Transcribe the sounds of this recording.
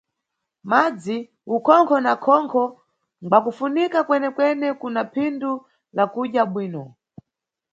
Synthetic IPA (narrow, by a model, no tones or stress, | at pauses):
mad͡zi | ukʰɔŋkʰɔnakʰɔŋkʰɔ | ŋbakufunikakwɛnɛkwɛnɛkunapʰindu | lakuɗjaɓwiːnɔ